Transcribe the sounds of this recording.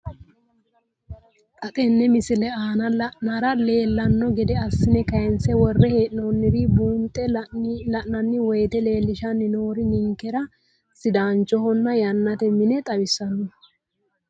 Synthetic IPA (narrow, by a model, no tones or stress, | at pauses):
kʼɐt̪ʼɛnːɛmɪsɪlɛaːnɐlɐʔnaɾɐle̞ːlːɐnːɔɡɛd̪ɛɐsːɪnɛkɐjɛnsɛwɔrːɛheːʔnoːnːɪɾɪbuːnt̪ʼːɛlɐʔnɐnːɪwɔjt̪ɛle̞ːlːɪʃɐnːɪnoːɾɪnɪŋkːɛɾɐ | sɪd̪aːnt͡ʃːɔhɔnːɐjɐnːɐt̪ɛmɪnɛt̪ʼɐbɪsːɐnːɔ